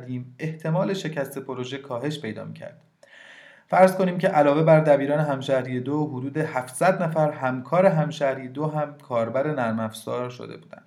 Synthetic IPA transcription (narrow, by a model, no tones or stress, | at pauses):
d̪iːme̞ht̪ʰe̞mɒːle̞ʃe̞cʰæst̪ʰe̞pʰoɾoʒe̞kʰɒːɦe̞ʃpʰe̞jd̪ɒ̰ːmḭːcʰæ̰ɾd̪̥ | fæɾzko̞niːmcʰe̞ʔælɒːɣe̞bæɾd̪æbiːɾɒːneɦæmʃæɾijed̪oɦod̪uːd̪e̞hæfsæd̪næfæɾɦæmkʰɒːɾe̞ɦæmʃæɾijed̪oɦæmkʰɒːɾbæɾe̞næɾmæfsɒːɾʃo̰d̪e̞̰buːd̪æ̰nd̪̥